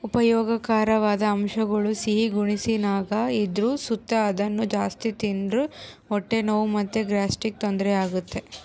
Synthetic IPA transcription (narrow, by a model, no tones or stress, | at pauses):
upɐjɔːɡɐkaːɾɐʋaːd̪ɐːmʂɐɡɐɭusiɦiɡuɳisinaːɡɐid̪ɾusut̪ːɐːd̪ɐnːud͡ʒaːst̪it̪indɾu | ɔʈːenɐʋumɐt̪ːeɡɾaːsʈik̚t̪ond̪ɾɛaːɡut̪ːe̞